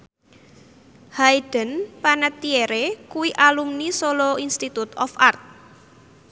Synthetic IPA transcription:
haid̥ə̤npanət̪ieɾekuwiʔalumnisoloinst̪it̪ut̪ɔfart̪̚

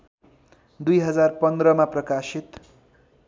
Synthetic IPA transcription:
d̪ujɦʌd͡zarpʌnd̪ɾʌmaprʌkasit̪

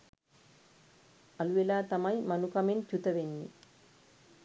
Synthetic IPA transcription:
ɐlʋelaːt̪ɐmɐjmɐnukɐment͡ʃut̪ɐʋenːḭ

